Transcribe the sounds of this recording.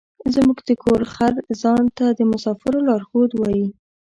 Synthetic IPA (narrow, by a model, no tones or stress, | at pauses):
zmuɡd̪əkʰoɾxaɾzɑnt̪ad̪əmʊsɑfɪɾolɑɾxod̪wɑji